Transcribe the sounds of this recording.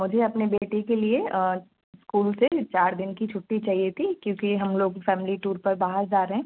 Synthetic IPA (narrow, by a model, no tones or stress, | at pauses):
mʊd͡ʒʱeɐpnebeːʈikelie | skuːlset͡ʃaːɾd̪ɪnkit͡ʃʰʊʈːit͡ʃaːɦiet̪ʰikjõːkiɦɐmloːɡfɛːmɪliʈuːɾpɐɾbaːɦəɾd͡ʒaːɾeɦɛ̃ː